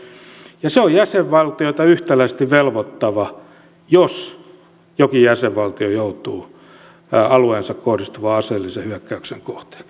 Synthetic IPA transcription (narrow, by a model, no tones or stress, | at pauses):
jɑseojjæseʋʋɑlt̪ioit̪ɑyht̪ælæist̪iʋʋelʋot̪ːɑʋɑ | jos | jokijæseʋʋɑlt̪iojout̪uː | ɑlueːnsɑkkohrist̪uʋɑɑseːlːisehyækːæykseŋkoht̪e̥ɑ̥k